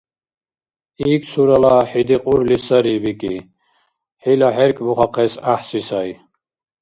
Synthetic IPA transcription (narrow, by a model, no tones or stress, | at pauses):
iːkʰsʰuɾalaħid̪iqʼuɾlisaɾibikʼḭ | ħilaħɛɾkʼbuχaqʰɛsaħsisaj